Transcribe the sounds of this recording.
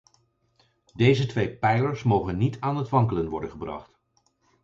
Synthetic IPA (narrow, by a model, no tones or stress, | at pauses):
dejzətʋejpɛjləɹsmowχənːitaːnɦətʋɑŋkələnʋɔɹdənχəbrɑ̰χt